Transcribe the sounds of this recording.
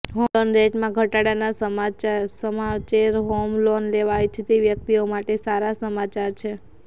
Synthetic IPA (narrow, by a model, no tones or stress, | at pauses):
ɦoonɾeʈmãɡʱəʈaɽanasəmat͡ʃasəmat͡ʃeɾɦomlonleʋajt͡ʃʰet̪eʋjək̚t̪iomaʈesaɾasəmat͡ʃaɾt͡ʃʰe